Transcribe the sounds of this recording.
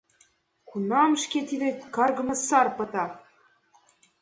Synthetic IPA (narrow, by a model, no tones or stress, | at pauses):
kunɑmʃket̪id̪ekɑrɣɤ̆mɤ̆sɑrpɤ̆t̪ɑ